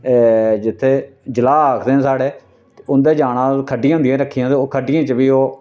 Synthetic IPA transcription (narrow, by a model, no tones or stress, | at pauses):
d͡ʒɪt̪ʰːeːd͡ʒəlaːaːkʰd̪eːãːsaːɽeː | ʊnd̪eːd͡ʒaːɽãːkʰəɖːijãːʊ̃nd̪jãːɾəkʰːiːãːt̪eːoːkʰəɖɪjãːt͡ʃəʋiːoː